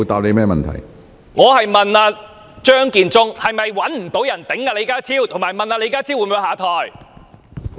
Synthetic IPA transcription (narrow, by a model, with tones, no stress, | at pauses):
t̪aː˨p̚le˨˧jmɛː˥mɐ̰˨nt̪ʰɐ̰˨˩j | ŋɔː˨˧hɐ˨jmɐ˨naː˧ | t͡ʃœː˥ŋkiː˨nt͡sʊ˥ŋhɐ˨jmɐ˨jwɐ˨˥nm̩˨˩t̪o˨˥wjɐ˨˩nt̪ɪ˨˥ŋːaː˧le˨˧jkaː˥t͡sʰiː˥wt̪ʰʊ˨˩ŋmaː˨jmɐ˨naː˧le˨˧˥kaː˥t͡sʰi˥wːu˧mu˨˧˥haː˨˧t̪ʰɔː˨j